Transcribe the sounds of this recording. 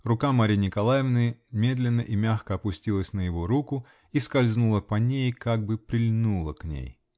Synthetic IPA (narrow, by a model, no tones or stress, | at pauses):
rʊkamaɾʲinʲɪkɐlˠajɪvnɨjmʲe̞d̪lʲɪnːəʔimʲaxkəɐpʊsʲtʲilˠəsʲnəjɪvo̞ɾukʊ | iskɐlʲznulˠəpɐnʲejkaɡ̚bɨpɾʲɪlʲnulˠəknʲḛj